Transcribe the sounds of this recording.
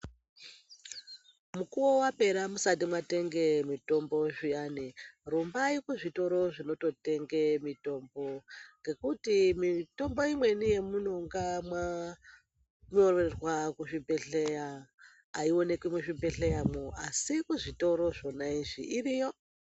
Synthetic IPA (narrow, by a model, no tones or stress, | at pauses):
mukuwowape̞ɾamusat̬imwate̞ŋɡe̞mito̞mbo̞ʐijanirumbaikuʐito̞ɾo̞ʐino̞to̞te̞ŋɡe̞mito̞mbo̞ŋɡe̞kutimito̞mbo̞imwe̞nije̞muno̞ŋɡamwa | ɲo̞rerwakuʐibʱeɬejaː | io̞ne̞kimweʂibe̞ɬe̞jamoasikuʐito̞ɾo̞ʐo̞naiʐḭʔirijo